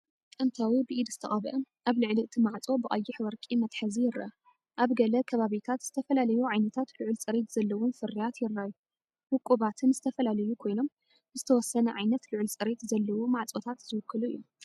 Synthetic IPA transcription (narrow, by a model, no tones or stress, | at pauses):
kʼɨnt̪ʰawibɨʔid̪zɨ̥t̪ʰɐχʼɐβʔɐ | ʔaβlɨʕliɨt̪ʰimaʕt͡sʼo̞bɨʔʼɐjːɪħwɐɾkʼimɐt̪ħɐzijɪɾɐ̰ | ʔaβɡɐlɐkʰɐβaβit̪ʰat̪z̥ɨt̪ʰɐfɐlalɐjuʕajnɐt̪ʰat̪lɨʕlt͡sʼɨɾet̪z̥ɐlːɐwʊnfɨrijat̪jɪɾːaju | wɨkʼːuβat̪ʰɨnzɨt̪ʰɐfɐlalɐjukʰo̞jno̞m | zɨt̪ʰɐwɔsːɐnɐʕajnɐt̪lɨʕɨlt͡sʼɨɾet̪zɐlːɐwumaʕt͡sʼot̪ʰat̪zɨwɨkʰːɨluḭju